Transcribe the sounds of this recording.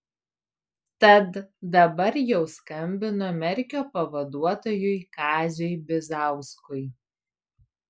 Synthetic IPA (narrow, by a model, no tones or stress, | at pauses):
t̪ɐt̪d̪ɐbɐɾjɛʊskɐmʲbʲɪnʊmʲɛɾʲkʲoːpɐʋɐd̪uɔt̪oːjʊɪkɑːzʲʊɪbʲɪzɑˑʊskʊɪ